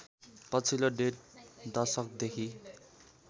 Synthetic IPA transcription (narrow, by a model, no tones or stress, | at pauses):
pʌt͡sʰiloɖeʈ̚d̪ʌrsʌk̚d̪ekʰi